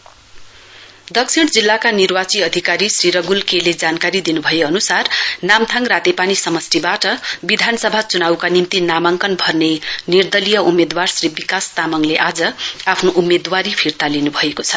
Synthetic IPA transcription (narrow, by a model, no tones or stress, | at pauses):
d̪ʌksʰiɽ̃d͡zilːakanirwat͡siʌd̪ʱikaɾisriɾʌɡulkeled͡zankaɾid̪inubʱʌjeʌnusarnamt̪ʰaŋrat̪epanisʌmʌsribaʈʌbid̪ʱanʌsʌbʱat͡sunawkanimt̪inamaŋkʌnbʱʌrnenird̪ʌlijʌumed̪warsribikast̪amʌŋleʔad͡zʌapʰnoʔumːed̪waɾipʰirt̪alinubʱʌekot͡sʰʌ